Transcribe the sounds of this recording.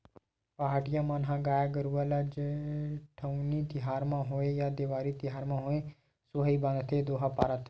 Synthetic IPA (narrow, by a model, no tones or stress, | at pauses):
paːʈɪjãːmaːnɦãɡaːjaɡəɾuʋələd͡ʒ | ʈʰəʊnit̪ɪɦaːɾmãɦoːejaːd̪ɪʋaːɾit̪ɪɦaːɾmãːɦoːẽ | sʊɦibə̃nd̪t̪ʰed̪oːɦapaːɾət̪